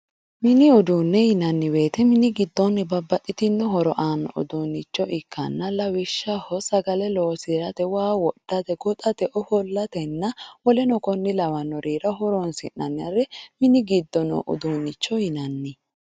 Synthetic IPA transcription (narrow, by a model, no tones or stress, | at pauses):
mɪnɪʊd̪unːɛjɪnɐnːɪbe̞ːt̪ɛmɪnɪɡɪd̪ːɔnːɛbɐbːɐʔʼɪt̪ɪnːɔɦɔɾɔʔaːnːɐ̰ʔʊ̰d̪unːɪt͡ʃːɔʔɪkʰːɐ̰nːɐlɐwɪʃːɐhɔsɐɡɐlɛloːsɪɾɐt̪ɛwaːwɔd̪̥ːɐt̪ɛɡɔt̪ʼɐt̪ɛʔɔhɔlːɐt̪ɛnːɐwɔlɛnɔkɔnːɪlɐwɐnːɔɾiːɾɐɦɔɾɔnsɪ̰nːɐ̰nːɪɐɾɛmɪnɪɡɪd̪ːɔnɔ̰ʔʊ̰d̪uːnːɪt͡ʃːɔjɪnɐnːɪ